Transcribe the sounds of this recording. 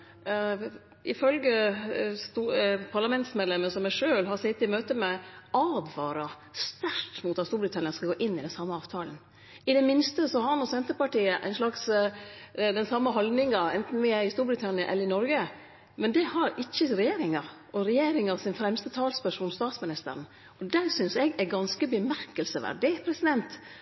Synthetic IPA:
ɪfœlɡəst̪upʰɑɾɭɑmɛnt̪smɛd̪lɛmːəsɔmæʂøːlɦɑsɪt̪ːɪmøːt̪əmɛʔɑːd̪ʋɑːɾɑ | st̪æɾʈmuːt̪ɑt̪st̪uːɾbɾɪt̪ʰɑnɪɑnskɑɡoːʔɪnːɪd̪ɛnsɑmːəɑːʋt̪ʰɑːlən | ɪd̪ɛmɪnst̪əsɔhɑnɔsɛnt̪əpɑʈiːəʔæ̰ɪnʂlɑks | d̪ɛnsɑmːəɦɔld̪nɪŋɑɛnt̪n̩ʋɪɪst̪uːɾbɾɪt̪ʰɑnɪɑʔɛlːəɾɪnɔɾɡə | mɛnd̪ɛhɑɾɪçːəɾɛjeːɾɪŋɑ | ʔɔɾɛjeːɾɪŋɑʋsɪnfɾɛmst̪ət̪ʰɑːlspæʂuːnst̪ɑːt̪smɪnɪst̪ə̰ɾn̩ | ɔd̪æːɾsʏnsɛɡæɡɑnskəbəmæɾkəlsəʋæ̰ɖd̪ɛpʰɾɛsɪd̪ɛnt̪

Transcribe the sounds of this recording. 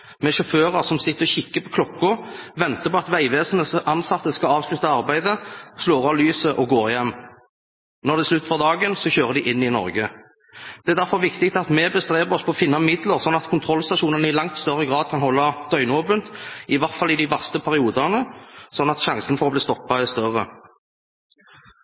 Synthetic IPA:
mɛʃɔføːʁəʁsɔmsɪt̪ːəɾɔçɪkːəpʰɔkʰlɔkːʊʋɛnt̪əpɔɑt̪ʋæɪʋeːsən̩əsɑnsɑt̪ːəskɑɑːʋslʉt̪ɑɑʁbæɪd̪əsloːʁɑlyːsəʔɔɡoːʁjɛmː | nɔʁd̪ɛɪslʉt̪ːfɔʁd̪ɑːɡənsɔçøːʁəd̪ɪʔɪnːɪnɔ̰ʁɡə | d̪̥ɛæʁd̪æʁfɔʁʋɪkt̪ɪk̚t̪ɑt̪mɛbəst̪ʁeːbəʁɔspʰɔːfɪnːɑmɪd̪ləʁsɔnːɑt̪kʰʊnt̪ʰʁɔlːst̪ɑʂuːnənəɪlɑŋt̪st̪œʁəɡʁɑːd̪̚kʰɑnhɔlːɑd̪̥œʏnoːpənt̪ɪʋæʁt̪fɑlɪd̪iʋæʁst̪əpʰæʁɪuːd̪ənəsɔnːɑt̪ʃɑŋsənfɔʁɔbliːst̪ɔpːɑɛst̪œʁə

